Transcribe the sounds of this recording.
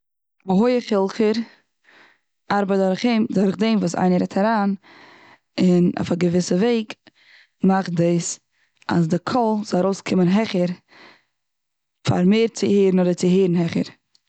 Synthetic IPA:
aɦʊɪəχɪlˠχəɾ | aɾbadɔɾχemdʊɾχdeɪmvuːsa̰ɪnəɾɛtʰɛɾaːn | ɪnɔ̰faɡəvɪsəveɪk | maχdeɪs | a̰sdɪkʰɔlˠzɔlˠaɾoʊskʰɪmənɦɛχəɾ | fa̰ɾmeːɾt͡sɪheːɾn̩ɔdət͡sɪɦeːɾn̩ɦɛχə̰ɾ

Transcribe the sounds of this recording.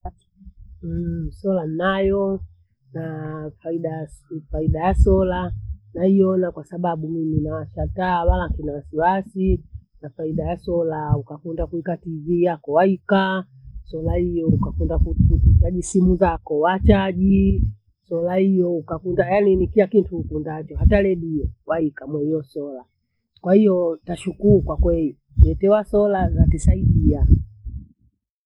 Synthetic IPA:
sɔlanajɔ | nafaiɗafaiɗajasɔlanaijɔnakwasaɓaɓumiminawaʃataːwalakinawasiwasinafaiɗajasɔlaukakundakuikativiːjakɔwaika | sɔlahijɔukakundakuutaʄisimuzakɔwat͡ʃaʄi | sɔlahijɔukakundajaninikiakintuːkundat͡ʃɔhatalɛɗijɔwaikamwɛiɔsɔla | kwahijɔtaʃukuukwakwɛli | ɛtɛwasɔlazatisaiɗia

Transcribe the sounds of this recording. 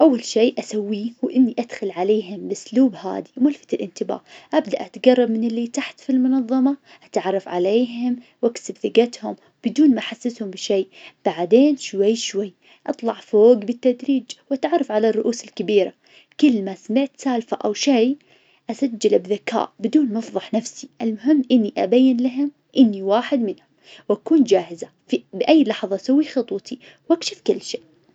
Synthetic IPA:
ʔawːalʃeːʔasawːihuːʔɪnːiʔad̪̥xalʕaleːɦʊmbɪsluːbha̰ːd̪imʊlfḁt̪ɪlʔɪnt̪ɪba̰ːʔʔabd̪aʔat̪aɡɑrˤːɑb̚mɪnɪlːit̪aħt̪filmʊnɑðˤːɑmɑ | ʔat̪ʕɑrˤːɑfʕa̰leːɦɪmwʔaksɪbθɪɡat̪hʊm | bɪd̪uːnmaʔaħasːɪshʊmbɪʃeːʔb̥aʕd̪eːnʃwajːʃwajː | ʔɑt̪ˤlɑʕfoːɡbɪt̪ːad̪ɾiːd͡ʒwʔat̪ʕɑrˤːɑfʕalarˤːʊʔuːsɪlkabiːɾa | kʊlːmasamɪʕt̪saːlfaʔawʃaj | ʔasad͡ʒːalabðaka̰ːʔbɪd̪uːnmɑfðˤɑħnafsiʔɪlmʊɦɪmːʔɪnːiʔabajːɪnlaɦʊm | ʔɪnːiwaːħɪd̪mɪnhʊmwʔakuːnd͡ʒaːhɪza | fibɪʔajːlɑħðˤɑsawːixɑt̪ˤwt̪i | wʔakʃɪfkɪlːʃeːʔ

